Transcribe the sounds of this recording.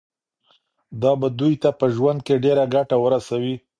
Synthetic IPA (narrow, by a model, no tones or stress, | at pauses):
d̪ɑbad̪ujt̪apəʒwand̪̚keɖeɾaɡaʈawəɾasawi